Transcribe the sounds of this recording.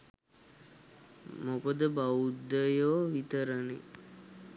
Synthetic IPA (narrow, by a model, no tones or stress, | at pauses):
mokəd̪əbaud̪ːəjoːʋit̪əɾənḛ